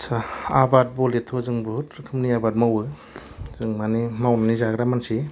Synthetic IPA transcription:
saabat̚bɔletʰɔzɯŋbɯtɾkʰɯmniabat̚mawɯ | z̥ɯŋmanimawnanizaɡɾamansi

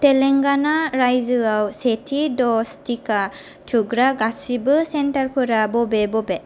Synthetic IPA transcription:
tɛlɛŋɡanaɹajzɯawsetʰidɔstʰika | tʰuɡɾaɡasibɯsɛntaɹpʰɯɾabɔbɛbɔbɛ

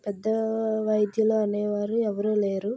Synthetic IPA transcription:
pɛd̪ːɐʋɐjd̪jɐloɐnejɐʋaːɾɯɛʋɐɾoleːɾu

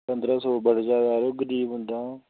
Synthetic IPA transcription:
pənd̪ɾaːsɔːbəɽd͡ʒaːd̪aːɾoːɡəɾiːbʊ̃nd̪aː

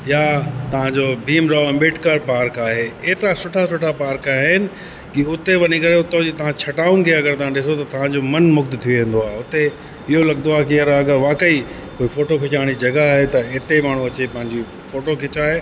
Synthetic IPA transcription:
jat̪ɐʋ̤ãɲd͡ʑobʱiːmɾaoɛ̃mɪːʈkaɾpaːɾkaːɦeeɦt̪ɾasʊʈʰasʊʈʰapaːɾkaːɦɪnɪ̆ | kiʊt̪eʋɐnikɐɾeʊt̪õd͡ʑit̪ɐʋ̤ãt͡ɕʰɐʈaːʊ̃nɪ̆kʰeːɐɡəɾt̪ɐʋ̤ãɗɪsot̪ɐt̪ɐʋ̤ãɲd͡ʑomɐnmʊk̚d̪t̪ʰijoẽːn̆d̪oaːeʊt̪e | ɪɦolɐɡnd̪oaːɦkiɐɾɐɡəɾʋaːkəi | koːifoːʈokʰɪt͡ɕaːɽ̃id͡ʑɐɡaaːɦet̪ɐɪt̪emaːɳ̤ũɐt͡ɕepɐ̃ɦɪ̃ɲd͡ʑi | foːʈokʰɪt͡ɕaːɦeː

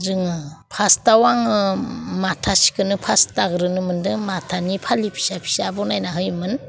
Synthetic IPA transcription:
ɾɯŋɯpʰastawaŋɯmatʰasi̥kɯnɯpʰastaɡɾɯnɯmɯndɯmatʰanipʰalipʰi̥sapʰi̥sabɔnajnaɦɯjmɯn

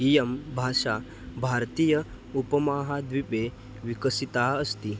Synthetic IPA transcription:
ijəmbʱaʂa | bʱaɾt̪iːjə | upəmaːɦad̪ʋipe | ʋikəsit̪aəst̪i

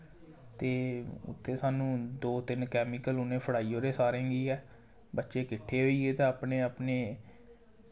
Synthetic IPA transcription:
t̪eːʊ̰t̪ʰːeːsaːnũːd̪oːt̪ɪnkɛːmiːkəlʊnẽːpʰəɽaːiːoːɾeːsaːɾẽːŋɡiːɛː | bətːʃeːkɪʈʰːeːɦoːiːɡeːt̪ãːəpneːəpneː

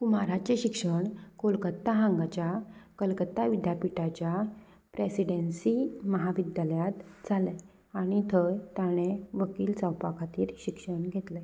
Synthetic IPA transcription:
kumaɾat͡ɕeɕikʂəɳkolkət̪ːaɦãŋɡat͡ɕjakəlkət̪ːaʋid̪japiʈat͡ɕja | pɾesiɽensiməɦaʋid̪jaljat̪d͡zʱale | aɽ̃it̪ʰəjt̪jaɽ̃eʋəkiːlt͡səwpakʰat̪iːɾɕikʂəɳɡʱet̪le

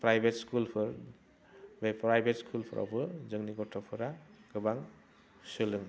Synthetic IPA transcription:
pɾajbʱetskulpʰɯɾ | bepɾajbʱetskʰulpʰɯɾʔa̰wbɯzɯŋniɡɔtʰɔpʰɯɾaɡ̥ɯbaŋ | sɯlɯŋ

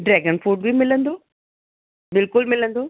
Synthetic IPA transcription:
ɖɾɛːɡənfuːɖ̚bimɪlə̃nd̪oː | bɪlkʊlmɪlə̃nd̪oː

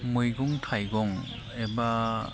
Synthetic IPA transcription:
mɯjɡɔŋtʰajɡɔŋ | eba

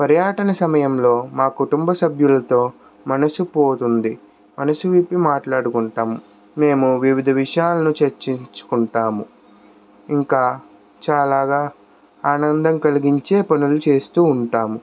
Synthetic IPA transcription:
pɐɾjaːʈɐnɐsɐmɐjɐmlo̞ːmaːkuʈumbɐsɐbʱjulɐt̪o̞ː | mɐnɐsupo̞ːt̪und̪i | mɐnɐsuʋipːimaːʈlaːɽukuɳʈaːmu | me̞ːmuʋiʋid̪ʱɐʋiʂɐjaːlɐnut͡ʃeɾt͡ʃiɲt͡ʃu̥kuɳʈaːmu | iŋkaː | t͡ʃaːlaːɡaː | aːnɐnd̪ɐmkɐliɡiɲt͡ʃe̞ːpɐnulut͡ʃe̞ːst̪uːɳʈaːmu

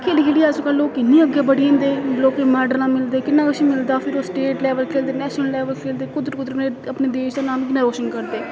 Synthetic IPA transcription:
kʰeːliɡeːliːɛsõkəloːkɪnːĩːəɡeːbəɽiːɦẽːnd̪eːloːkemɛːɖəɾãːmɪld̪eːkɪnːãːkəʃiːmɪld̪aːpʰɪɾoːsʈeːʈlɛːʋəlkʰeːld̪eːnɛːʃnəllːɛːʋəlkʰeːld̪eːkʊd̪ɾkʊd̪ɾəneəpneːd̪eːʃd̪aːnaːmkɪnːãːɾoːʃənkəɾd̪eː

